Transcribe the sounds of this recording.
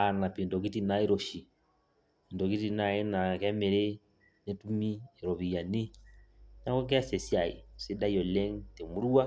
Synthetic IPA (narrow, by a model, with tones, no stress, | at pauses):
a˨na˨pi˨ndɔ˨k̬i˦ti˨na˦i˦ɾɔ˨ʃi˨ | i˨ndɔ˨ki˦ti˨na˨e˦na˨kɛ˦me˨ɾe˦ | ne˦tu˦mi˦e˨ɾɔ˨βi˨a˨ni˦ | na˦kɔ˦k̬a˦sɛ˨si˦a˨ḭ˨se˦da˦jɔ˨lɛ˦ŋte˨mu˦ɾu˦a˦